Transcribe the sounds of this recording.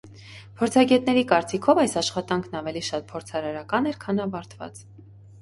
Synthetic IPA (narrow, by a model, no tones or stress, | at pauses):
pʰɔɾt͡sʰɑɡɛt̪nɛɾikɑɾt͡sikʰɔvɑjsɑʃχɑt̪ɑŋkʰnɑvɛliʃɑt̪̚pʰɔɾt͡sʰɑɾɑɾɑkɑnɛɾkʰɑnɑvɑɾt̪ʰvɑ̰t͡s